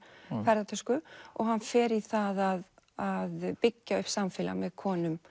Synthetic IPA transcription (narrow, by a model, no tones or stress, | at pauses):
fɛɾðat̪ʰœskʏɔ̰ɣhanːfɛːɾiθaðaðaðpɪcːaʏhpsamfɪla̰mɛðkʰɔːnʏm